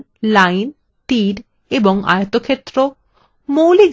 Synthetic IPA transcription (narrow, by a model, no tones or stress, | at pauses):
lajn | t̪iɾ | eboŋa̰jot̪okʰet̪ːɾo | mowliɡ